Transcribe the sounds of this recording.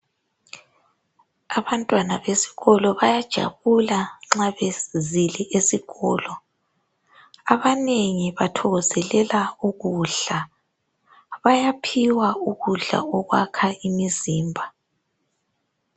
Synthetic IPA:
aβantʼwanaβesi̥ɣɔlɔβajad̥ʒ̥ʱa̰βulaŋ͡ǁaβezilɛʔesiɣɔːlɔ | aβaneŋiβatʰɔɣɔzɛlɛlauɣuːɮa | βajapʰiwauɣuɮa̰ɔɣwakʰaʔimiziːmbʱa

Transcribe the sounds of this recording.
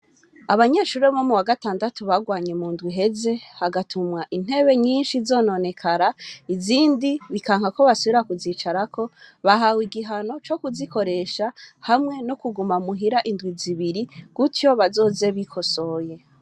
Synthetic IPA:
aβaɲe̞ːʃuɾemomuwaɡataːndatuβaɡwaːɲe̞muːndɡwiɦe̞ze̞haɡatʰumŋaʔin̥he̞βe̞ɲiːnʃizo̞ːno̞ne̞kʰaɾaiziːndiβikaːŋhako̞βasuβiɾakuziːt͡ʃaɾakʰo̞βaɦawiɡiɦano̞t͡ʃo̞kuziko̞ɾe̞ʃahamŋe̞nokuɡumamuɦiɾaʔindɡwiziβiɾiɡ̥utjo̞βazo̞ːze̞βikʰo̞so̞ːje̞

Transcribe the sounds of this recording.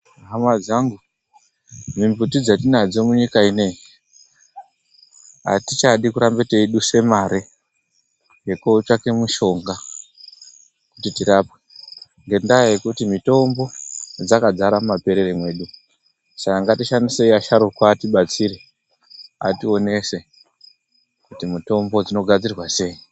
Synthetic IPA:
ɦamwad͡zaŋɡu | mimbutid͡zatinad͡zo̞muɲikaine̞ | a̰tit͡ʃaɗikuɾambeteiɗuse̞maɾe | jekot͡ʃake̞muʃo̞ŋɡa | kutitiɾape̥ | ŋɡe̞ndaje̞kutimito̞mbo̞d͡zakad͡zaɾamumape̞ɾeremwe̞ːɗu | sakaŋɡatiʃanise̞iaʃaɾukwaːtiɓat͡siɾe̞ | a̰tio̞ne̞se̞ | kutimito̞mbo̞d͡zino̞ɡʱad͡zirwase̞i

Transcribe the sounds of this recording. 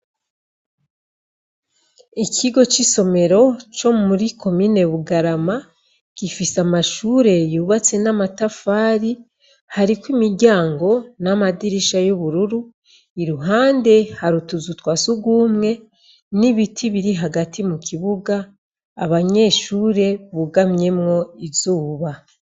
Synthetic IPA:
ikʰiɡo̞t͡ʃiso̞me̞ɾo̞t͡ʃo̞muɾikʰo̞miːne̞βuɡaɾama | kifisamaʃuːɾe̞juːβat͡se̞namatafaːɾi | haɾikwimiɾɟaːŋɡo̞namadiɾiʃajuβuɾuɾu | iɾuɦaːnde̞haɾutuzutwasuɡwuːmŋe̞ | niβitʰiβiɾiɦaɡatʰimukʰiβuɡaː | βaɲe̞ːʃuːɾe̞βuɡamɲe̞mŋo̞izuːβa

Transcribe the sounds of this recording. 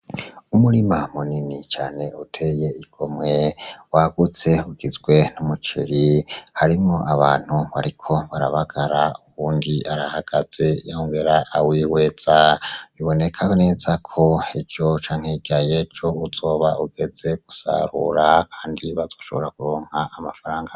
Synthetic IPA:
umuɾimamuninit͡ʃaːne̞utʰe̞je̞iɡ̥o̞mŋe̞waɡ̥ut͡se̞uɡ̥izɡwe̞numut͡ʃḭɾihaɾimŋo̞ʔaβaːn̥huβaɾikʰo̞βaɾaβaɡ̥aɾauβuːndiaɾahaɡ̥az̥ejaoŋɡe̞ɾaʔːwiːwe̞z̥aβiβo̞ne̞kʰane̞ːzakʰo̞ed͡ʒo̞t͡ʃaːŋheɡ̥aje̞d͡ʒo̞uzo̞ːβauɡ̥e̞ze̞ɡ̥usa̰ɾṵɾakʰaːndiβazo̞ːʃo̞βo̞ɾakuɾo̞ːŋ̥haʔːmafaɾaːŋɡa

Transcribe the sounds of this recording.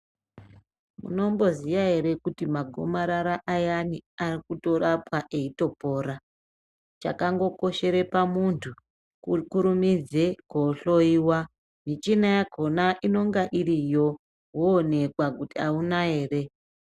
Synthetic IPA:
mṵno̞mbo̞ziʋaɦe̞ɾe̞kutimaɡʱo̰maɾaɾaʔajaniarikuto̞ɾapwaʔe̞ito̞po̞ːɾa | t͡ʃakaŋɡo̞ko̞ʃe̞ɾe̞pamuntʰu | kukuɾumid͡ze̞koɬo̞iwa | mit͡ʃinajaɡʱo̞naʔino̞ŋɡaʔiɾijo̞ | woːne̞kwakutiaunaɦe̞ːre̞

